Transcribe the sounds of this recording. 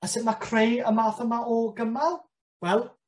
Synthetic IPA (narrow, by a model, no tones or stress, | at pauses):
asɪmakʰrejəmaːθəmaɔɡəmalˠ | wɛlˠ